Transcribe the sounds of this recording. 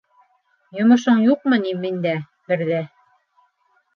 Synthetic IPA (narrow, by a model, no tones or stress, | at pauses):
jŏmɤ̆ʃoɴjuq̚mɤnimind̪æ | bɘ̆ɾðæ